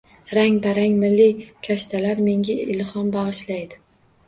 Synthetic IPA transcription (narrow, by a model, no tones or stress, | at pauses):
ɾaŋʲbaɾaŋʲmɪlːɪkʲʰaʃt̪ʰalaɾme̞ŋɡʲaɪlhɒmbɑʁɨʃlajd̪ɪ